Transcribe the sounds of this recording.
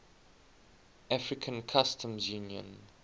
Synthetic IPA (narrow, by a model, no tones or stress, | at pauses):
afɹikʰə̃nkʰastʰə̃mzjũnjə̰̃n